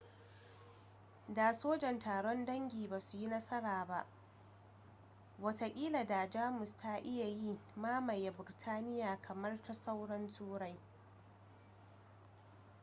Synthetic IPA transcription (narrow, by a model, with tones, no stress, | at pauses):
daː˨soː˦d͡ʒɛ˨ntaː˨ɽɔ˦ndɐ˦ŋɡʲiː˨baː˨su˨ji˦nɐ˦sɐ˦ɽaː˨ba˦˨ʔ | wɐ˨ta˨kʲʼiː˦la˨da˨d͡ʒaː˦mʊ˨sta˦ʔɪ˦ja˨ji˦maː˦ma˨jːa˨bʊ˨rtʰaː˦nɪ˦jaː˨kʰɐ˨mɐ˦rta˦sa˦wɽɐ˦ntʰuː˦ɽa˦j